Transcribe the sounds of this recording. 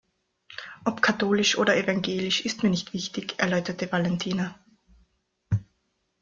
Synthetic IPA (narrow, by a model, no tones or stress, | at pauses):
ʔɔpkʰatoːlɪʃʔoːdɐevaŋɡeːlɪʃɪstmiːɐnɪçtv̥ɪçtɪçʔɛɐlɔʏtɐtəvalɛntʰiːna